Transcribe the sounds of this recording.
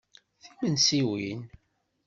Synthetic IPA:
θimənsiwin

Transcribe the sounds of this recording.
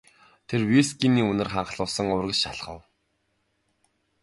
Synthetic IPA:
t̪ʰerwiskiniːɵnɘ̆rχaɴχɮʊːsə̆ŋʊrɣɘ̆t͡ɕʃaɮ̆χə̆w

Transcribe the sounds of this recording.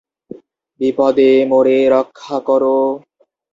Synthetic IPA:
bipɔd̪emoɾeɾɔkʰːakɔɾo

